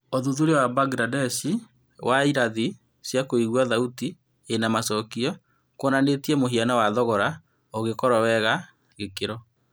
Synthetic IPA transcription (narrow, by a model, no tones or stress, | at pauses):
oðuðuɾewabaɡɾadɛsi | waiɾaði | sjakoiɣwaðauti | enamasɔkiɔ | konanetiɛmoɦianawaðɔɣɔɾa | oɣekɔɾɔwɛɣa | ɣekeɾɔ